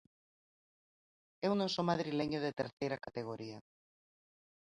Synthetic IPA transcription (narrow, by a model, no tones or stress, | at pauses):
ɛwnõsomaðɾileɲʊðet̪eɾθejɾɐkat̪eɣ̞oɾiɐ